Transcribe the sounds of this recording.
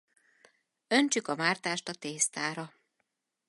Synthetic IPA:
ø̞nt͡ʃykɒmaːrt̪aːʃt̪ɒt̪eːst̪aːɾɒ

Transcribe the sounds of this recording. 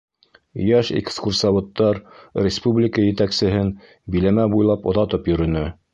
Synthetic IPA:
jæʃḛkskuɾsɑβŏt̪ːɑɾrʲɪspublʲɪkəjɘ̆t̪æksɘ̆ɦɘn | bilæmæbujlˠɑpŏðɑt̪ɤpjɵ̆ɾɵ̆nɘ

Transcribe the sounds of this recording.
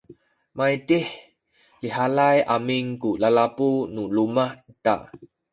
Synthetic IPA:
majtih | liɦalajʔamiŋkulalapunulumahita̰ʔ

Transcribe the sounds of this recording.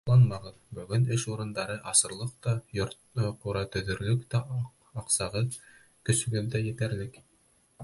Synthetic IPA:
lˠɑnmɑʁɤðbɵ̆ɡɵnɘʃuɾɤ̆nd̪ɑɾɤʔɑsɤ̆ɾlˠɤq̚t̪ɑjoɾt | quɾɑt̪ɵ̆ðɵ̆ɾlɵkt̪æ | ɑqsɑʁɤ | kɵ̆sɵ̆ɡɘld̪æjɘ̆t̪æɾlɘk

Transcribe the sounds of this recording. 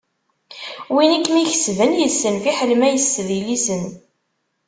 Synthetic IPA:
winəkːmiçə̥svənjəðsənfiħəlmæjəsːðilisən

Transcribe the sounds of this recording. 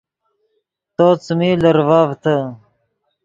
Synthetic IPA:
t̪oːt͡smiːlɐɾvaːvt̪ə

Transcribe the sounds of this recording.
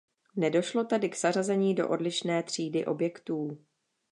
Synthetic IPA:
nɛdo̞ʃlo̞t̪ɛdɪkz̥ar̝azɛɲiːdo̞ʔo̞dlɪʃnɛːt̪r̝̥iːdɪʔobjɛkt̪uː

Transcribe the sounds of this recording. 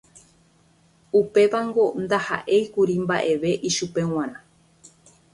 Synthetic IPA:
upe̞ʋaŋɡo̞nd̪aha̰ʔe̞jkuɾimba̰ʔe̞ʋe̞ʔiʃupe̞w̃ãɾ̃ã

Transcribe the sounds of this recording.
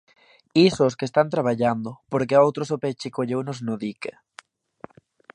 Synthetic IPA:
isoskest̪ant̪ɾaβ̞aʎand̪ʊpoɾkeowt̪ɾosopet͡ʃɪkoʎewnoznoðike

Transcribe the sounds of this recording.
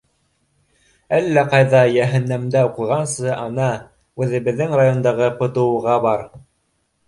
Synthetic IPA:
ælːæqɑjðɑjæɦæ̆nːæmd̪æuqŭjʁɑnsɤʔɑnɑ | ʉðɘ̆βɘ̆ðːɘŋrajo̞nd̪ɑʁɤpŏt̪ɤ̆wɤ̆ʁɑbɑɾ

